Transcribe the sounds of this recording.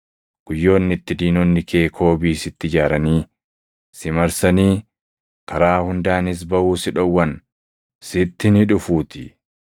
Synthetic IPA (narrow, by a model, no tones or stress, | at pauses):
ɡ̥ʊjːo̞ːnːɪt̪ːɪd̪iːnɔnːɪkʰe̞ːkʰo̞ːbiːsɪt̪ːɪd͡ʒaːɾɐniː | sɪmɐɾsɐniː | kɐɾaːhʊnd̪aːnɪs̬bɐʔuːsɪᶑɔwːɐn | sɪt̪ːɪnɪᶑʊfuːt̪ɪ